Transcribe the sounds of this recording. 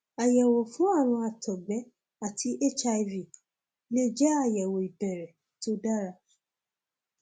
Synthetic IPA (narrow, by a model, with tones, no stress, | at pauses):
a˨jɛ˨wɔ˨fũ˨˦a˦˨ɾ̃ã˧a˨tʰɔ˨ɡ͡bɛ˨˦ | a˦˨tʰi˧ʔe˦t͡ʃa˧i˧vi˨ | le˦d͡ʒɛ˦a˦˨jɛ˨wo˨i˨bɛ˨ɾɛ˨ | to˦da˦ɾa˧